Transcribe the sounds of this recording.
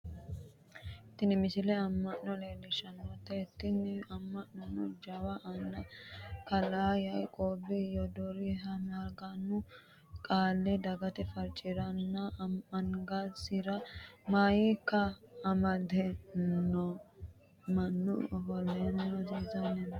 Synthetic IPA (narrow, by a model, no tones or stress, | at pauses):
ɪt̪ːɪnɪmɪsɪlɛɐmːɐʔnɔleːlɪʃɐnwɔt̪ːɛɪt̪ːɪnɪɐmːɐʔnɔnːɔ̰d͡ʒɐwɐʔɐnːɐkɐlaːjɐjkʼoːbɪjɔd̪ɔɾiɦɐmaːɾɡɐnːʊ | kʼaːlːɛd̪ɐɡɐt̪ɛfɐɾt͡ʃʼɪɾɐnːɐɐŋɡasɪɾɐmaːjikːɐːmɐd̪ɛnːɔ | mɐnːʊ̰hɔlenɔd̪iːzɐnɛ